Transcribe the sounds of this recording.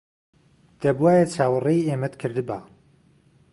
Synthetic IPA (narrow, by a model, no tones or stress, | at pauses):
d̪̥ɐbuwaːjɛt͡ʃʰaːwɨrejemɛt̪kʰɨɾd̪ɨbaː